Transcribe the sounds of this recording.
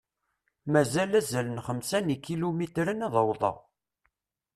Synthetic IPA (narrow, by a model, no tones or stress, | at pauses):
mæzælæzælənχəmsænikːilumit̪ɾənɑðˤəwðˤɑ̰ʁ